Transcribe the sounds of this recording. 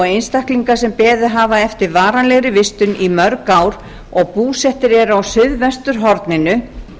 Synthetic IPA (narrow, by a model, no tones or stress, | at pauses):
ejnst̪ahkliŋkasɛmpɛːðʏɦaːvaɛft̪ɪɾvaːɾanlɛɣɾɪvɪst̪ʏnimœɾkawɾ | ɔɣpuːsɛht̪ɪɾɛɾawsʏɥðvɛst̪ʏɾ̥ɦɔɾt̪nɪnʏ